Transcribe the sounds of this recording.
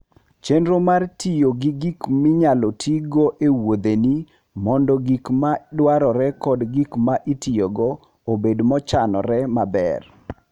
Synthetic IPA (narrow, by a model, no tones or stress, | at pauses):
t͡ʃenɾomartijoɡiɡikmɪɲalɔtʰiɡɔʔewod̪eni | mɔndɔɡikmadwaɾɔɾɛkɔdɡikmaʔitijoɡɔ | obedmɔt͡ʃanɔ̰ɾɛmabɛ̰r